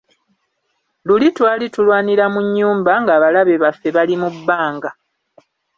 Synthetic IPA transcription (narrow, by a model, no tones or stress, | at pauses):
lulitwaːlitulwaːniɾamuɲːuːmbaŋɡaːβalaβe̞βafːe̞βalimubːaːŋɡa